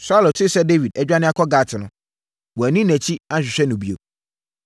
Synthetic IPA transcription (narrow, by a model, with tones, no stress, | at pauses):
saː˦lo˨tʰɪ˦sɛ˦de˦vi˨dɛ˦d͡ʑᶣa˦nɪ̃˦a˦kʰɔ˦ɡaː˨tʰɪ˨nʊ̃˨˦ | wɔ˨æ˨nĩ˦næ̃˨t͡ɕʰi˦ã˦ɕᶣɪ˨ɕᶣɛ˦nʊ̃˨bi˨o̰˨